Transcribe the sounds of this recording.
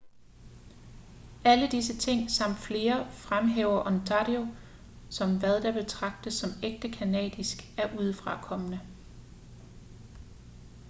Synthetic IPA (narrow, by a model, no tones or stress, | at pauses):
æləd̥is̬ət͡sʰe̝ŋ̰sɑ̈m̰d̥fle̝ːɐfʁamɦeːʊɐʔɒ̽ndʰɑdjo̝ | sɒ̽mʋæðˠd̥ɑ̈b̥e̝t͡sʰʁɑ̈ɡ̥̚d̥əsːɒ̽meɡ̥̚d̥əkʰænɛ̰ːd̥isɡ̥æɐʔuð̞ˠfʁɑ̈kʰɒ̽mənə